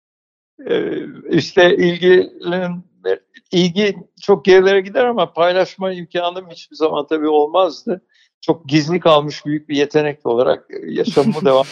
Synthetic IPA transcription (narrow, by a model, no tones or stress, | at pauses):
ɛ̰iʃt̪ʰɛilʲɟilʲin | ɛɾilʲɟit͡ʃʰo̞k̚ɟeɾilʲe̞ɾɛɟid̪æɾamapʰajlˠaʃmajimcʰaːnɯmhit͡ʃbizama̰nt̪ʰabiːo̞lˠmazd̪ɯ | t͡ʃʰo̞k̚ɟizlʲikʰalˠmɯʃbyjyc̚bije̞t̪ʰe̞nɛc̚t̪ʲo̞lˠaɾa̰k̚jaʃamːud̪eva